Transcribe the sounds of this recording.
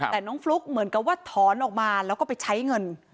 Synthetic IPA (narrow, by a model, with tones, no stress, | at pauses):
t̪ɛː˨˩nɔː˦˥ŋflu˦˥k̚mɯ˩˦ənka˨˩p̚waː˥˩t̪ʰɔː˩˦nʔɔː˨˩k̚maː˧lɛː˦˥wkɔː˥˩pa˧jt͡ɕʰa˦˥jŋɤ˧n